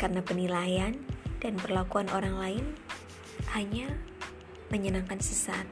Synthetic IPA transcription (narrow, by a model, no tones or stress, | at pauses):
karənapənilajandanpərlakuanʔoɾaŋlaɪn | haɲa | məɲənaŋkansəsat̪̚